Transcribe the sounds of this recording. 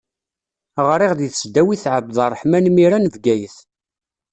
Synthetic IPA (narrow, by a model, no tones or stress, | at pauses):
ʁɾˤiʁðiθəsd̪æwiθʕəbəðˤərˤːħmænmiɾænvɡæjəθ